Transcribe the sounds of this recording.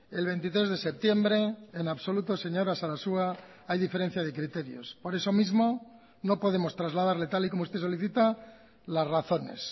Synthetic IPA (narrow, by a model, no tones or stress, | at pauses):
e̞lβe̞jnt̪it̪ɾe̞zðe̞se̞p̚t̪je̞mbɾe̞ːnaβso̞lut̪o̞se̞ɲo̞ɾasaɾasua | ajðifeɾe̞n̟θjað̞e̞kɾit̪e̞ɾjo̞̰spo̞ɾe̞so̞mizmo̞ | nopo̞ðe̞mo̞st̪ɾazlað̞aɾlet̪alikomoust̪e̞s̬o̞liθit̪a | lazraθo̞ne̞̰s